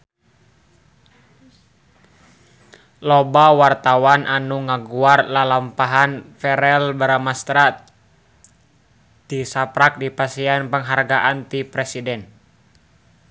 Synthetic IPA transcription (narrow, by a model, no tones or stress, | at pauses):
lɔbawart̪awanʔanuŋaɡuarlalampaɦanfɛɾɛlbəɾamast̪ɾa | t̪isapɾak̚dipasianpəŋɦarɡaʔant̪ipɾɛsidɛn